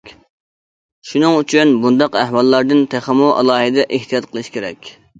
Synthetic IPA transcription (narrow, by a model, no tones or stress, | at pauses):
ʃunɨŋyt͡ʃʰynbund̪ɑqæhwɑlˠːɑɾd̪ɨnt̪ʰæχæmuʔɑ̰lˠɑːhɨd̪ɛʔeht̪ʰijɑt̪qʰəlˠɨʃkʲeɾɛ̰kʲ